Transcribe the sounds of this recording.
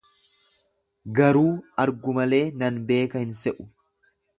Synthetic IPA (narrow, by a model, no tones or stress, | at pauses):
ɡɐɾuːɐɾɡʊmɐle̞ːnɐnbe̞ːkɐhɪnsɛʔʊ̥